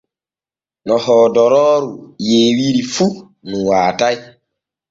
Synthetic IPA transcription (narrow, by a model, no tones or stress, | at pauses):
nɔhɔːdɔɾɔːɾujeːwiɾifu | nuwaːtaj